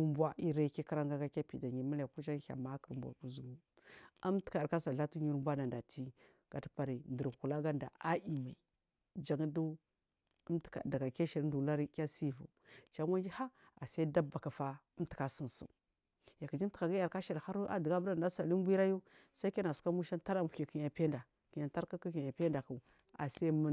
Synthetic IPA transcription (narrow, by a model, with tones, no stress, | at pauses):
mbʷa˦ʔi˦ɾa˦˨ki˦ka˦ɾa˦ŋɡa˦ɡa˦ka˦pi˨da˨ɲi˨ma˦la˨ku˦t͡ʃa˦ŋ˦a̰˨ma˦kə˨ɾmbʷa̰˨ku˦zu˨ɡu˦ | a˦mti̥˦ka˨ɾka˦sa˨ɮa˦tu˦ɲi˦ɾmbʷa˦na˨nda˨ti˦ | ɡ̥a˨ta˦pa˨ɾi˨ndə˨ɾku˨la˦ɡa˦nda̰˨a˦i˨ma˨i˨ | d͡ʒa˦ŋ˦du˦ | mtka̰˨da˨ɡa˨ka˦ʃi˨ɾndu˨la˦ɾi˦ka˦si˦˨vṵ˨ | t͡ʃa˨mʷa˦nd͡ʒi˦ha˦ | a˨sa˦i˦da˦ba˨ka˨fa˦ə˦mti̥˨ka˨sə˨n˨sṵ˨m | ja˨ki˨d͡ʒi˦m˦tka˨ɡa˦ja˨ɾka˦ʃa˨ɾxa˦ɾu˦ʔa̰˨dɡa˦bɾa˨nda˦sa˨li˦m˦bʷi˦ɾa˦ju˦ | sa˦i˦ka˦na˨ska˦mu˦ʃa˦nta˦ɾa˦mu˨i˨ki˨ɲa˨pe˦nda˨ | ki˨ɲa˨ta˦ɾka˦ku˦ki˨ɲa˨pe˦nda˨ku˨ | a̰˨sa˦mə˦